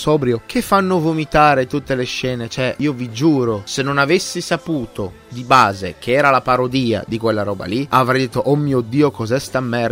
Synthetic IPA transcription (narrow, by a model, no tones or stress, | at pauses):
sɔːbɾjok̟ʰefːanːovomit̪aːɾet̪ut̪ːeleʃːɛːnet͡ʃoɛiːovid͡ʒuːɾosenːonavesːisapuːt̪o | d̪ibaːzek̟ʰeɛːɾalapaɾod̪iːa̰d̪ikwelːaɾɔːba̰liavɾɛjd̪et̪ːoʔɔmːiːod̪ːiːokɔzɛst̪amːɛr